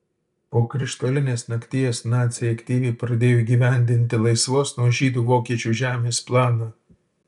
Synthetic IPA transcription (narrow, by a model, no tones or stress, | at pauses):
poːkɾʲɪʃt̪oːlʲɪnʲeːsnɐkʲt̪ʲijɛsnɑːt̪sʲɪjɛɐkʲt̪ʲiːʋʲeːpɾɐd̪ʲeːjoːiɡʲiːʋʲæˑnʲd̪ʲɪnʲt̪ʲɪlˠɐɪsʋoːsnuɔʒʲiːd̪uːʋoːkʲiɛt͡ʃʲuːʒʲæːmʲeːsplˠɑːnɑː